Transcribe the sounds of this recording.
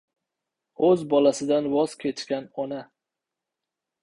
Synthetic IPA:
ɵzbɒlasɪd̪anwɒz̥kʲʰe̞t͡ʃkʲanɒna

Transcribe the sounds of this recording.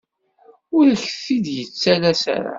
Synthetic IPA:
ʊɾçəθid̪jət͡sːælæsæ̰ɾa̰

